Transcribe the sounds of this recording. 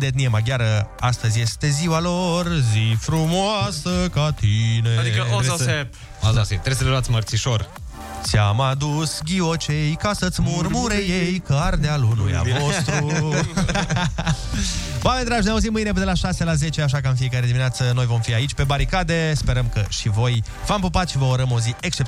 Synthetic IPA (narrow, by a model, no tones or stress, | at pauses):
d̪et̪niemaɡʲaɾəast̪əzʲje̞st̪e̞ziwalo̞rzifɾumoasəkat̪ined̪ikəep | zoset̪ɾes̬əleloat̪sʲmərt̪siʃo̞r | samad̪usɡʲiot͡ʃejkasət̪sʲmurmuɾejejkard̪ealunṵja̰ost̪ɾu | oamenʲd̪ɾad͡ʒneauzimɨjne̞pd̪elaʃase̞laze̞t͡ʃe̞aʃ̬akəɨnfie̞kaɾe̞d̪ineat̪səno̞jvo̞mfiait͡ʃʲpe̞baɾikad̪e̞spe̞ɾəmkəʃivo̞j | vampupat̪ʃivəoɾəmo̞zieksʃt͡ʃep